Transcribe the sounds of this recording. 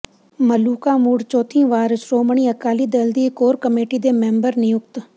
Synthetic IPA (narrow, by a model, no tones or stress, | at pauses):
məluːkaːmuːɽt͡ʃoːt̪ʰĩːʋaːɾsɾoːməɳ̃iːəkaːliːd̪eːld̪iːkoːɾkəmeːʈiːd̪eːmɛ̃ːmbəɾnɪjʊk̚t̪